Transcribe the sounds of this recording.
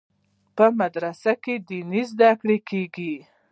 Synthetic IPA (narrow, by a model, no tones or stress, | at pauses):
pəmad̪ɾasaked̪inizd̪akɽekeɡi